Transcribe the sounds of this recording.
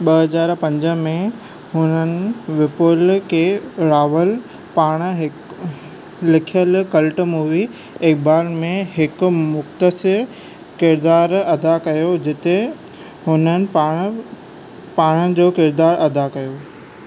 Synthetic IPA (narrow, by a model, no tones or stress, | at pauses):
ɓɐɦɐzaːɾpɐ̃ɲd͡ʑəmẽ | ɦʊnənɪ̆ʋɪpʊlkʰeːɾaːʋəl | paːɽ̃ɦɪ | lɪkʰjəlkɐlʈmuːʋi | eːk̚baːɾmẽɦɪkmʊxt̪əsɪɾ | kɪɾd̪aːɾɐd̪akɐjod͡ʑɪt̪e | ɦʊnənɪ̆ã | paːɽ̃əd͡ʑoːkɪɾd̪aːɾʔɐd̪akɐjo